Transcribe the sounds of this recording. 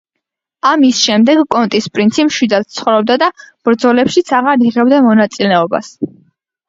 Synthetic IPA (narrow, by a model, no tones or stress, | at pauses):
amisʃɛmd̪ɛɡkʼɔnt̪ʼispʼɾint̪sʰipmʃwid̪at̪t̪sʰχɔvɾɔb̚d̪ad̪ab̥ɾd̪zɔlɛpʃit̪sʰaʁaɾiʁɛbd̪amɔnat̪sʼilɛɔba̰s